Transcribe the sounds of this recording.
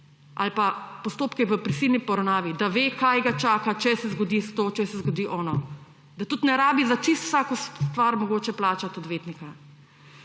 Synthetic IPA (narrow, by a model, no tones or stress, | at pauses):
ʔa̰lpapɔst̪oːpkɛʋəpɾisilnipɔɾɐwnaːʋid̪aʋeːkajɡat͡ʃaːkat͡ʃɛsɛzɡɔd̪ist̪ot͡ʃɛsɛzɡɔd̪iːʔɔːnɔ | d̪at̪ut̪nɛɾaːbizat͡ʃist̪w̥saːkɔsst̪ʋaɾmɔɡoːt͡ʃɛplaːt͡ʃat̪ɔd̪ʋeːt̪nika